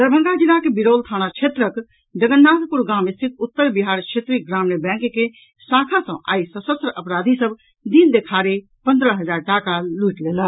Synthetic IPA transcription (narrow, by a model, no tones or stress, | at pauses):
d̪əɾbʱə̃ŋɡad͡ʒilakebiɾolt̪ʰañat͡ʃʰet̪ɾək | d͡ʒəɡənːad̪puɾɡamist̪ʰit̪ut̪ːəɾbiɦaɾkt͡ʃʰet̪ɾiɡɾamnebɛ̃ŋkke | sakʰasə̃ʔa̰isəsəst̪ɾəʔəpɾad̪ʱisəb | d̪ind̪ekʰaɾe | pənd̪ɾəɦəd͡ʒaɾʈakaluiʈlelə